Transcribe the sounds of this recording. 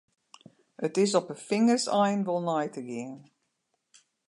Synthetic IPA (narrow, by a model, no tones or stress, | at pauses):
ətɪs̬ɔpəfɪŋərsɛjnʋolˠnɔjtəɡɪən